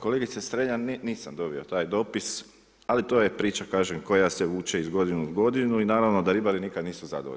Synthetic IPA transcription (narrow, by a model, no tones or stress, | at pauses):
ko̞leɡit̪sesɾeɲanniːsamd̪o̞bio̞t̪aːjd̪o̞ːpis | alit̪o̞ːjepɾiːt͡ʃakaːʒemko̞jaseʋuːt͡ʃeizɡo̞d̪inuɡo̞d̪inuinaːɾaʋno̞d̪aɾibaɾinikad̪niːsuza̰d̪o̰o̰